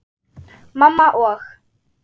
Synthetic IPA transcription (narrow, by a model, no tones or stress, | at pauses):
mamaʔwax